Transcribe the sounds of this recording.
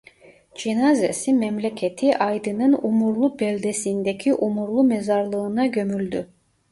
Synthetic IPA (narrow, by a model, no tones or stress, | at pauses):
d͡ʒinazesimɛmlʲecʰet̪ʰiʔajd̪ɯnɯnumuɾlˠubɛlʲd̪esind̪ecʰiʔumuɾlˠumezaɾlˠɯːnaɟømylʲd̪y